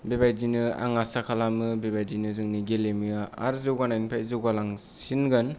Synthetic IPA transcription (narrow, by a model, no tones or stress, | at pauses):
bebajdinɯa̰ŋasakʰalamɯbebajdinɯzɯŋniɡelemijaa̰ɾzɯwɡanajnpʰajzɯɡalaŋ | sinɡɯn